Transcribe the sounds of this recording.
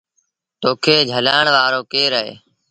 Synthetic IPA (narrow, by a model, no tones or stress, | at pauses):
t̪oːkʰeːd͡ʒʱəlaːɳʋaːɾoːkeːɾəɦḛː